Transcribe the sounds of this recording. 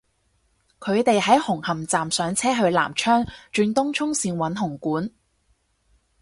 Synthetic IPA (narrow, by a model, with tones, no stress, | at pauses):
kʰɵ˨˧ɥt̪e˨jɦɐ˨˥jhʊ˨˩ŋhɐ˨˩mt͡saː˨msœː˨˧ŋt͡sʰɛː˥ɦɵ˧ɥla̰ː˨˩mt͡ʃʰœː˥ŋt͡ʃyː˧nt̪ʊ˥ŋt͡ʃʰʊ˥ŋsiː˧nwɐ˨˥nɦʊ˨˩ŋkuː˨˥n